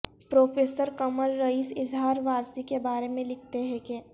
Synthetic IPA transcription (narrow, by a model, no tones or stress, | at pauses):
pɾoːfʰeːsəɾkɐməlːɐiːsɪzɦaːɾʋaːɾsikebaːɾemẽlɪkʰt̪eɦɛ̃ke